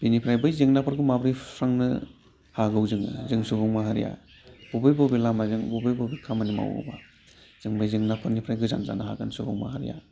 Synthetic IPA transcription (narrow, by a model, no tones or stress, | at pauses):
binipʰɾajbɯjzeŋnapʰɯɾɡɯmabɾipʰɾaŋnɯ̰ | haɡɯwzɯŋɯ̰zɯŋsubuŋmaɦaɾija̰ | bubɯjbobilamazɯŋbubɯjbobikʰamanima̰wo̰ba̰ | z̥ɯŋbɯjzɯŋnapʰɯɾnipʰɾajɡɯza̰nza̰nahaɡansubuŋma̰ɦaɾḭja̰